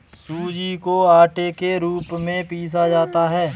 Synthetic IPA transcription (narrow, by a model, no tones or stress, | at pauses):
suːd͡ʒikoaːʈekeɾuːpmẽpiːs̬ad͡ʒaːt̪aɦɛː